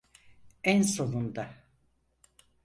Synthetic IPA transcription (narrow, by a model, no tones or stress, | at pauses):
ænso̞nund̪a